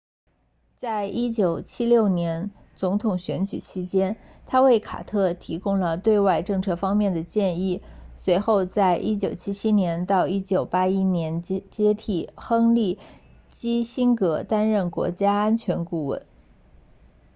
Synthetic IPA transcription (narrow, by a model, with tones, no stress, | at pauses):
t͡sa˥˩ɪʔi˥t͡ɕjo˨˩ʊt͡ɕʰi˥ljo˥˩ʊnjɛ˧˥n | t͡sʊ˧˥ŋt̪ʰʊ˨˩ŋɕɥɛ˧˥nt͡ɕy̰˨˩t͡ɕʰi˥t͡ɕjɛ˥nt̪ʰa˥we˥˩ɪkʰa̰˨˩t̪ʰɤ˥˩t̪ʰi˧˥kʊ˥ŋlə˨t̪we˥˧ɪwa˥˧ɪʈ͡ʂɤ˥˧ŋt͡sʰɤ˥˩fɑ˥ŋmjɛ˥˩nd̪ə˩t͡ɕjɛ˥˧ni˥˩swe˧˥ɪxo˥˧ʊt͡sa˥˩ɪʔi˥t͡ɕjo˨˩ʊt͡ɕʰi˥t͡ɕʰi˥njɛ˧˥nt̪ɑ˥˧ʊi˥t͡ɕjo˨˩ʊpa˥i˥njɛ˧˥nt͡ɕjɛ˥t̪ʰi˨˩xɤ˥ŋli˥˩ | t͡ɕi˥ɕi˥ŋkɤ˧˥t̪a˥nɻə˥˩nkwɔ̰˧˥t͡ɕja˥a˥nt͡ɕʰɥɛ˧˥nku˥˧wə̰˥˩˦n